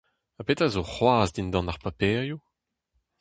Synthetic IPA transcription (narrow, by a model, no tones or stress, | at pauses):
apetazoχwaːzd̪ind̪ɑ̃naʁpapɛːʁju